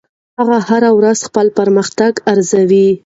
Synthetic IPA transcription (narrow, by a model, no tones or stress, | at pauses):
haɣahaɾawɾaz̥xpəlpəɾməxt̪aɡaɾzawi